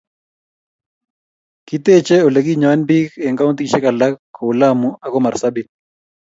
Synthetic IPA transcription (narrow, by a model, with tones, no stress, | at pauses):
ki˦te˦t͡ʃɛ˦o˨le˨k̬i˦ɲa˨wa˦nbi˦kɛ˨ŋka˦u˦nt̪i˨ʃɛ˦ka˨la˦kʰːo˨la˦mu˦a˨kɔ˦ma˨ɾsa˦bi˦